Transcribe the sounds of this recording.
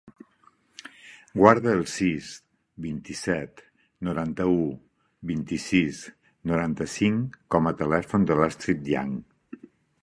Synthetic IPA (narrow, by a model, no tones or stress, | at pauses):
ɡwaɾðəːlˠsis | bint̪isɛt̪ | nuɾant̪əu | βint̪isis | nuɾant̪əsiŋkɔmət̪əlɛfund̪əlast̪ɾit̪̚ja̰ŋ